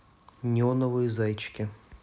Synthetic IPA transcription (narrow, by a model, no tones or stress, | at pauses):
nʲɪonəvɨjzajt͡ɕkʲɪ